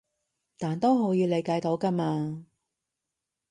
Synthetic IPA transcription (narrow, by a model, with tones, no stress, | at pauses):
t̪aː˨nt̪o˥wɦo˨˥wjiː˨˧wle˨˧jkaː˨˧jt̪o˨˥wka˧maː˧